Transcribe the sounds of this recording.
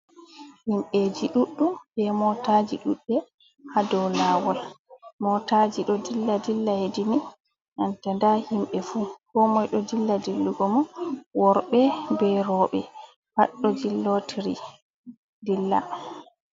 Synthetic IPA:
himɓed͡ʒiɗuɗːumbɛmɔtad͡ʒiɗuɗːɛ | hadɔlawɔlmɔtad͡ʒiɗɔdilːadilːahedini | ʔantandahimɓɛfuːkɔmɔjɗɔdilːadilːuɡɔmɔwɔɾɓɛbɛɾɔɓɛ̰ | haɗːɔd͡ʒilːotʰiɾḭ | dilːa̰

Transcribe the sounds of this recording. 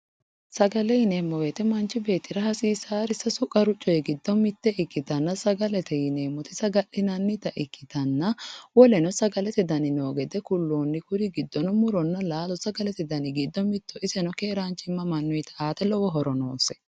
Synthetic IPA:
sɐɡɐlɛjɪneːmːɔwet̪ɛmɐnt͡ʃːɪbe̞ːt̪ːɪɾɐhɐsiːsaːɾɪsɐsʊkʼɐɾʊt͡ʃʼːɔjɛɡɪd̪ːɔmɪt̪ːɛʔɪkːɪt̪ɐnːɐsɐɡɐlɛt̪ɛjɪne̞ːmːɔt̪ɪsɐɡɐlːɪnɐnːɪt̪ɐʔɪkːɪt̪ɐnːɐwɔlɛnɔsɐɡɐlɛt̪ɪd̪ɐnɪnoːɡɛd̪ɛkʊlːoːnːɪkʊɾɪɡɪd̪ːɔnɔmʊɾɔnːɐlaːlɔsɐɡɐlɛt̪ɪd̪ɐnɪɡɪd̪ːɔmɪt̪ːɔʔɪsɛnɔkeːɾaːnt͡ʃʼɪmːɐmɐnːɔjt̪ʰɐʔaːt̪ɛlɔwɔɦɔɾɔnoːsɛ̥

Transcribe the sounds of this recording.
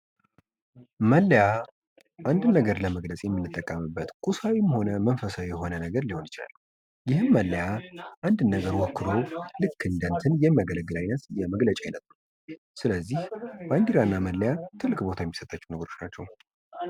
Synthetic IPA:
məlːja | ʔand̪ɨnːəɡəɾləməɡləsʼjɛmːɨnːɨt̪ʼːəkʼːəmɨbːət̪kʼusawimho̞nəmənfəsawjɛho̞nənəɡəɾliho̞njɪt͡ʃa̰lː | jɪhɨmːəlːəjaʔand̪ɨnːəɡəɾwɔkːɨd̪o̞lɨkʰːɨnd̪ənt̪ʰɨnjɛmːjaɡələɡɨlajnət̪jɛməɡlət͡ʃʼajnət̪nu | sɨləzːihband̪iɾanːaməlːəjat̪ʰɨlːɨkʼbo̞t̪ʰajɛmːisət̪ʼːat͡ʃːɛwnəɡəɾo̞t͡ʃnat͡ʃːɛ̰w

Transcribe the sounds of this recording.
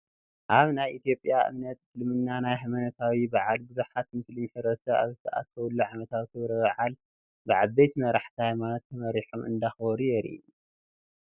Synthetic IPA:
ʔaβnajʔit̪jo̞pʼjaʔɨ̰mnɐt̪fɨlmɨnːanajɦɐmɐnɐt̪ʰawibaʕalbɨzuħat̪mɨslɨɲħɨɾɐsɐa̰βzɨt̪ʰɐʔa̰t̪ʰɐwulːuʕamɐt̪ʰawk̪ʰɨβɾɐβaʕal | bɨʕaejt̪mɐɾaħt̪ʰihajmanot̪ʰːɐmɐɾiħomʔɨ̰nd̪axbɔɾujɛɾḭu

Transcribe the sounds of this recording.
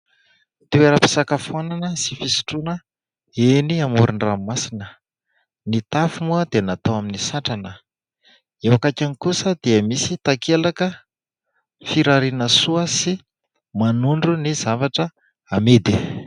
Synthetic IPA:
t̪eweɾapi̥sakafananəsifisi̥ʈ͡ʂunə | eniamuɾuɳramasinə | nit̪afumuəd̪enat̪owaminisaʈ͡ʂanə | ewakakʲanikusəd̪̥iəmisit̪akʰelakə | fiɾaɾinəsuəsi | manuɳɖ͡ʐunizavaʈ͡ʂə | amed̪i

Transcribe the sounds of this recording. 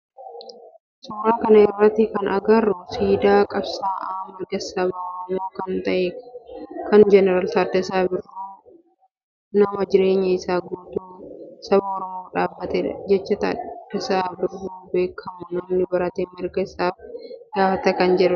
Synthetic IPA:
sʊːɾaːkɐnɐɪrːɐt̪ːɪkɐnʔɐɡɐrʊsiːd̪aːkʼɐbsaːʔaːmɐɡɐsɐbaɔɾɔmo̞ːkɐnt̪ɐʔe | kɐnd͡ʒɛnɛɾaːlt̪aːd̪ːɐsaːbɪrːuː | nɐmɐd͡ʒɪɾe̞ːɲːɐɪsaːɡuːt̪uːsɐbɐɔɾɔmo̞ːᶑaːbːɐt̪ɛd͡ʒɛt͡ʃːɐt̪a̰ːd̪̥ːɛsaːbɪrːuːbe̞ːkʰːɐmʊnɐmnɪbɐɾɐt̪eːmɪɾɡɐsːaːfɡ̥aːfɐt̪ɐkɐnd͡ʒɛᶑɐ

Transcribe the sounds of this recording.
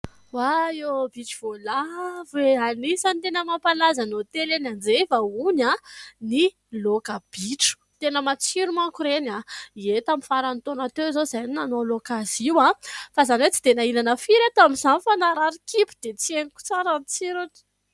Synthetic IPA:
waebiʈ͡ʂiv̥olaveanisanit̪enəmapalazanot̪elenand͡zevaunani | lokəb̥iʈ͡ʂu̥t̪enəmat͡siɾumakuɾenaiet̪amifaɾant̪onat̪øzozajninanolokaziwafazanwet͡si̥d̪enainanəfiɾat̪amizanfanaɾaɾikipi̥d̪et͡sieniku̥t͡saɾant͡siɾun̥

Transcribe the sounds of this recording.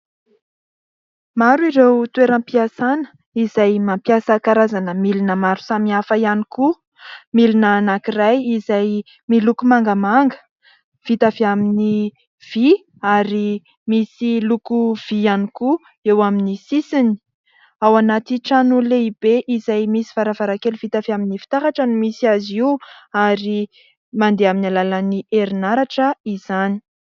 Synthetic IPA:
maɾuiɾewt̪ueɾampiasanə̥ | izajmampjasakaɾazanəmilinəmaɾu̥samiafəianiku | milinaːnakirajizaj | milukumaŋɡəmaŋɡə̥ | v̥it̪aviamini | v̥i | aɾi | misilukuv̥ianiku | ewaminisisini̥ | awanat̪iʈ͡ʂanuleib̥eʔizajmisi̥vaɾavaɾakeluv̥it̪aviaminifi̥t̪aɦaʈ͡ʂənumisiaziwaɾi | mand̪eaminalalaniʔeɾinaɾaʈ͡ʂəiz̥ani̥

